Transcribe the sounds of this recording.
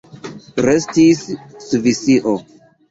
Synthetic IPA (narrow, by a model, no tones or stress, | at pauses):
ɾestissvisiʔo